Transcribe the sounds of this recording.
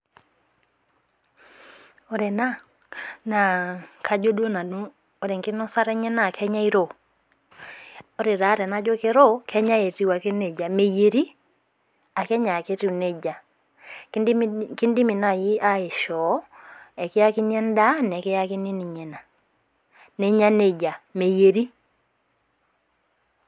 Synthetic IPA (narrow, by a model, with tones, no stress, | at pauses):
o˨˦ɾɛ˨na˦ | na˨kʰa˨d͡ʒo˦do˦na˨nu˦ | o˨ɾe˨ŋkɪ˦nɔ˦sa˦ɾɛ˦ɲɛ˦na˨kʰɛ˦ɲa˦i˦ɾo˨ | o˨˦ɾe˨ɾa˨˦ɾɛ˨na˦d͡ʒo˦ke˦ɾo˦kʰɛ˦ɲa˦e˨ti˦wa˨ke˦ne˨d͡ʒa˨me˨je˨ɾi˦ | a˨kɛ˦ɲa˨ke˦ti˦u˨ne˦d͡ʒa˨ | kki˦ndi˦mi˨na˨ji˦a˦e˨ʃɔ˨˦ɛ˨ke˦ja˦ki˦ɲɛ˦n˦da˦n˨ɛ˨ke˦ja˦ki˦ni˦ni˨ɲɛ˨na˨ | ne˦ɲa˦ne˨d͡ʒa˨me˨je˨ɾi˦